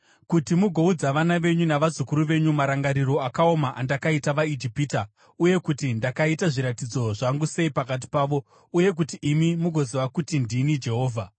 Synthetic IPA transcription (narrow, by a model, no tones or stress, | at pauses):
kutimuɡʱo̞ud͡zaʋanaʋe̞ɲunaʋazukuɾuʋe̞ɲumaɾaŋɡaɾiɾo̞akao̞maʔandakaitaʋaid͡ʒipiːta | uje̞kutindakaitaʐiɾatid͡zo̞ʐaŋɡuse̞ipakat̬i̥paːʋo̞ | uje̞k̬utiːmimuɡʱo̞ziʋakutindinid͡ʒe̞ɦo̞ːvʱa